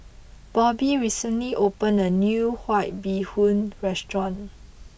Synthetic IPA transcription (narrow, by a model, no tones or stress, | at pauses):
b̥ɔbiɹisə̃nliʔopə̃nənjuhwaɪt̚bihũnɹɛstɹɔ̃n